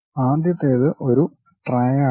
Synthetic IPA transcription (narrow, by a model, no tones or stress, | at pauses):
aːd̪jɐt̪ːeːðɨʔo̞ɾu | ʈrɐja